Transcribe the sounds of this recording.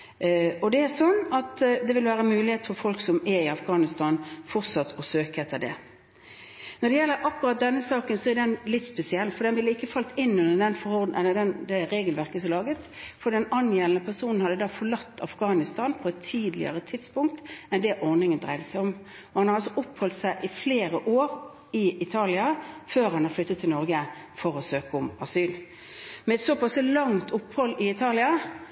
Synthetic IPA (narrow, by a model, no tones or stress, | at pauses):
ɔd̪ɛæsɔnːɑt̪d̪ɛʋɪlʋæːɾəmʉːlɪheːt̪fɔɾfɔlksɔmɛɾɪɑfɡɑːnɪst̪ɑːnfɔʁt̪sɑt̪ʰːɔsøːkəɛt̪ʰːəɾd̪ɛ̰ | nɔd̪ɛjɛlːəɾʔɑkːɾɑt̪̚d̪ɛnːəsɑːkənsɔɛɾd̪ɛnlɪt̪ːspɛsɪɛlnfɔɾd̪ɛnʋɪləɪkːəfɑlt̪ɪnːʉnəd̪ɛnfɔɾhɔʁd̪ʔɛlːəd̪ɛnd̪ɛɾeːɡəlʋæɾkəsɔlɑːɡət̪ | fɔd̪ɛnɑnjeːlənəpʰæʁsuːnn̩hɑd̪ːəd̪ɑːfɔɭɑt̪ːɑ̰fɡɑːnɪst̪ɑːnpʰɔɛt̪ʰːiːd̪lɪ̰ə̰ʁət̪ʰɪt̪spʊŋk̚t̪ɛnd̪ɛʔɔʁnɪŋənd̪ʁæ̰ɪd̪əsæɪɔm | ɔhɑnhɑɾɑlsɔʔʊpːhɔlt̪sæɪʔɪfleːɾəʔoːʁ | ɪɪt̪ʰɑːlɪɑføːɾhɑnɑɾflʏt̪ːət̪ʰːɪlnɔɾɡə | fɔɾɔsøːkəɔmɑsyːl | mɛɛt̪sopɑslɑŋt̪ʰʊpːhɔlːɪɪt̪ʰɑːlɪɑ